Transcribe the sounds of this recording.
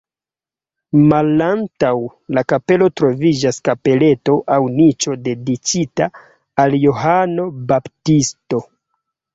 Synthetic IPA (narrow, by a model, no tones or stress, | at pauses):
malantaw | lakape̞lo̞tɾo̞vid͡ʒaskape̞le̞to̞ʔawnit͡ʃo̞de̞dit͡ʃitaː | ljoɦano̞baptisto̞